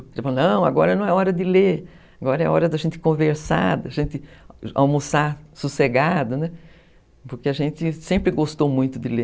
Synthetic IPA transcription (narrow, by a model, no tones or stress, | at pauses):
elfalnɐ̃w̃aɡɔɾɐnɐ̃w̃ɛɔɾɐd̪ɪle | aɡɔɾɐɛ̰ɔɾɐd̪ɐʒẽnt̪ɪ̥kõveɾsa̰d̪ɐʒẽnt̪ɪa̰wmusasuseɡad̪ɐnɛ | poɾkeɐʒẽnt̪ɪsẽmpɾɪɡost̪owmũj̃t̪ʊd̪ɪle